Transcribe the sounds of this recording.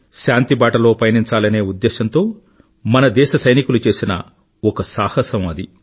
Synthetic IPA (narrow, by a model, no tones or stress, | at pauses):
ʃaːnt̪ibaːʈɐlo̞ːpɐjɐniɲt͡ʃaːlɐne̞ːud̪ːɛːʃɐnt̪o̞ː | mɐnɐd̪ɛːʃɐsɐjnikulut͡ʃe̞ːsinɐ̰ | ɔkɐsaːhɐsɐmɐd̪i